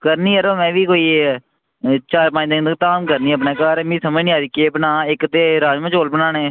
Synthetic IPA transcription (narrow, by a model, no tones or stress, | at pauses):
kəɾniːəɾoːmɛ̃ːʋiːkoːiː | t͡ʃaːɾpãːd͡ʒd̪əd̪əkt̪aːmkəɾniːəp̬neːkaːɾmĩːsəməd͡ʒnĩːaːɾikeːbənãːɪkt̪eːɾaːd͡ʒmãːt͡ʃoːlbənãːnẽː